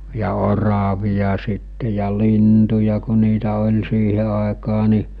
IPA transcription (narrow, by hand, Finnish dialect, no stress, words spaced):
jɑ orɑʋijɑ sitːe jɑ lintujɑ ku̞ niːtæ olʲ siːhe ɑˑekɑː ni